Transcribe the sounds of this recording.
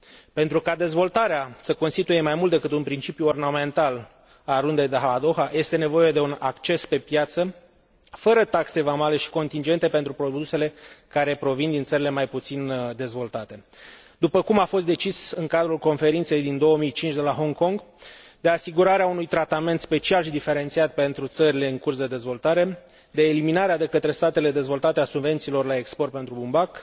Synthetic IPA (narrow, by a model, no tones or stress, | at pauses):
pe̞nt̪ɾukad̪e̞zvo̞lt̪aɾeasəko̞nst̪it̪uje̞majmult̪d̪e̞kɨt̪unpɾint͡ʃipjuorname̞nt̪al | aɾund̪ejd̪eɦalad̪o̞xaje̞st̪e̞ne̞vo̞je̞d̪e̞unakt͡ʃe̞spe̞pjat̪sə | fəɾət̪akse̞vamale̞ʃi̥ko̞nt̪ind͡ʒe̞nt̪e̞pent̪ɾupɾo̞d̪use̞le̞kaɾe̞pɾo̞vind̪int̪səɾile̞majput̪sind̪e̞zvo̞lt̪at̪e̞ | d̪upəkumafo̞st̪d̪e̞t͡ʃisɨŋkad̪ɾulko̞nfe̞ɾint̪se̞jd̪ind̪o̞wəmijt͡ʃint͡ʃd̪e̞laɦo̞ŋko̞ŋɡ | d̪e̞asiɡuɾaɾeaunujt̪ɾat̪ame̞nt̪spe̞t͡ʃialʃid̪ife̞ɾe̞nt̪siat̪̚pe̞nt̪ɾut̪səɾile̞ɨŋkursd̪e̞d̪e̞zvo̞lt̪aɾe̞ | d̪e̞ːliminaɾead̪e̞kət̪ɾe̞st̪at̪e̞le̞d̪e̞zvo̞lt̪at̪easubve̞nt̪siːlo̞rlae̞kspo̞rt̪̚pent̪ɾubumbak